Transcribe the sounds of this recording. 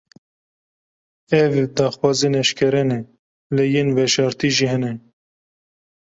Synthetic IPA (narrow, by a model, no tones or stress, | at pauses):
ɛvd̪ɑːxwɑːzinɛʃkʰɛɾɛnɛ | lɛjenvɛʃɑːɾt̪iːʒiːhɛnɛ